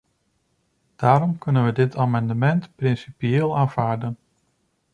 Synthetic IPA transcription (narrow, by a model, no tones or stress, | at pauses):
d̥aːɾɔmkɵnənʋədɪtaːmɑndəmɛntprɪnsipijeːlˠaːnv̥aːɹdən